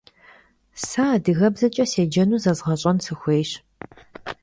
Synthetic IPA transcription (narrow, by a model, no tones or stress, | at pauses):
saːdɨɣɐbzɐt͡ʃʼɐseːd͡ʒɐnuːzɐzʁɐɕʼɐnsɨxʷeːjɕ